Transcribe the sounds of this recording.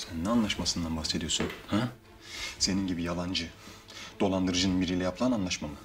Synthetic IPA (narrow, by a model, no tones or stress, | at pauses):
sænnɛanlˠaʃmasɯnd̪anbaxsed̪ijo̞sunhæ | se̞ninɟibijalˠand͡ʒɯ | d̪̥o̞lˠand̪ɯɾɯd͡ʒɯnɯnbiɾilʲɛjapʰlˠananlˠaʃmamɯ